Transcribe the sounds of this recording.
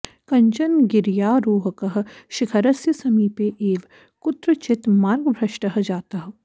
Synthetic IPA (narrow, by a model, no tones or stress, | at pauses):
kɐɲt͡ʃɐnɡɪɾjaːɾoːɦkɐɦʃɪkʰɐɾɐsjəsɐmiːpeʔeːʋ | kʊt̪ɾət͡ʃɪt̪maːɾɡbʱɾɐʃʈɐɦd͡ʒaːt̪ɐɦ